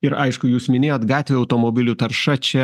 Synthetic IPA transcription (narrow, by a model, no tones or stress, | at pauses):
ɪɾɐɪʃkʊjuːsmʲɪnʲeːjoːt̪ɡɑːt̪ʲʋʲeːɐʊt̪oːmoːbʲɪlʲuːt̪ɐɾʃɐt͡ʃʲɛ